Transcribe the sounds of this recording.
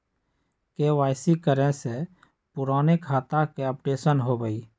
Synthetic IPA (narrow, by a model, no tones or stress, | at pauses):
keʋaːɪsikəɾẽse | pʊɾaːnekʰːaːt̪akeəp̚ʈeːsənɦobəi